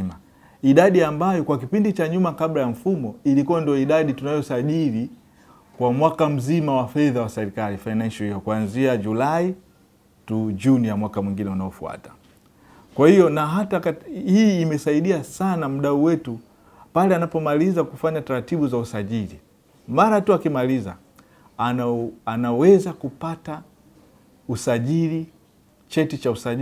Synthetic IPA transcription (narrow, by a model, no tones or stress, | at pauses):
ma | iɗaɗiambajɔkwakipindit͡ʃaɲumakaɓlajam̩fumɔilikuwandijɔiɗaɗitunajɔsaʄili | kwamwakam̩zimawafɛðawasɛɾikalifajnanʃahijɔkuwanziad͡ʒulai | tud͡ʒunijamwakamwiŋɡinɛunaɔfua̰tḁ | kwahijɔnaɦatakhiːmɛsaiɗiasanam̩ɗauwɛtu | palɛanapɔmalizakufaɲataɾatiɓuzausaʄili | maɾatuakimaliza̰ | anawɛzakupata | usaʄili | t͡ʃɛtit͡ʃausaʄi